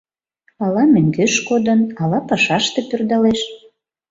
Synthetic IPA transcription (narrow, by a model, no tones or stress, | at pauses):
ɑlɑmøŋɡeʃkod̪ənɑlɑpɑʃɑʃt̪epørd̪ɑleʃ